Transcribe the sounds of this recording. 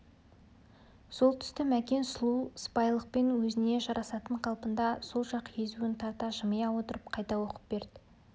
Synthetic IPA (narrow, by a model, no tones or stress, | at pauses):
so̞lˠt̪ʰʏ̥st̪ɪmækʲe̞nslˠuspɑjlˠəq̚pe̞nwɵzɪne̞ʒɑɾʔɑsɑt̪əɴqʰɑlˠpənd̪ɑso̞lˠʒɑqjʰe̞zuɪnt̪ʰɑɾt̪ɑʒəməjɑwo̞t̪əɾəp̚qʰɑjt̪ɑwo̞qə̥p̚b̥e̞ɾd̪̥ɪ